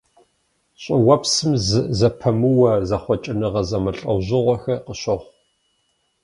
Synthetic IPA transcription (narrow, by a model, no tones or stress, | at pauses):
ɕʼɪwɐpsɨmzɨzɐpʰɐmɨwɐzɐχʷɔt͡ʃʼɪnɨʁɐzɐmɐɬʼɐ̰wʑɪʁʷɔxɐqəɕɐʁʷ